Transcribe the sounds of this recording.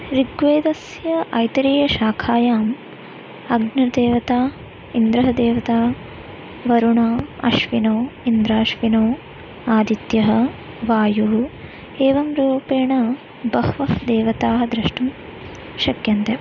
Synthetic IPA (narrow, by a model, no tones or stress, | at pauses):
ɾiɡʋeːd̪ɐs | jɐʔɐjt̪ɐɾiːjɐʃaːkʰaːjaːm | ɐɡnɐd̪eːʋɐt̪aː | ind̪ɾɐɦɐd̪eːʋɐt̪aː | ʋɐɾuɳaːɐ̰ʃʋinoːind̪ɾaːʃʋinoː | aːd̪it̪jɐɦɐ̆ | ʋaːjuɦu | eːʋɐmɾuːpeːɳɐ | bɐɦʋɐɦd̪eːʋɐt̪aːɦɐd̪ɾɐʃʈɐm | ʃɐkjɐnt̪e